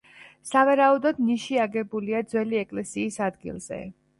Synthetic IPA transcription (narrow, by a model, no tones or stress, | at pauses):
savaɾaud̪ɔd̪niʃiaɡɛbuliad̪zwɛliɛkʼlɛsiːsad̪ɡḭlˠz̥ɛ̰